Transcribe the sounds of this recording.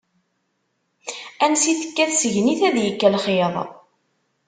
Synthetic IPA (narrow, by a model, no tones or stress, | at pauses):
ænsiθə̥kːæθsəʝniθæðjəkːælχeðˤ